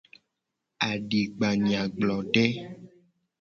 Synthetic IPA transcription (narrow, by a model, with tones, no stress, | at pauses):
a˨ɖi˨ɡ͡ba˨ɲ˨ã˨ɡ͡blɔ˨ɖɛ˦